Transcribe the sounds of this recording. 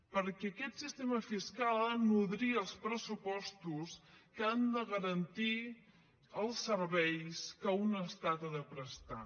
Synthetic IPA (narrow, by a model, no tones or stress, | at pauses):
pəɾkɛəkɛt̪sist̪eməfiskalˠnuðɾiəəlˠspɾəsupɔst̪uskəand̪əɣəɾənt̪i | əlˠsːəɾβɛjskəunəst̪at̪əðəpɾəst̪a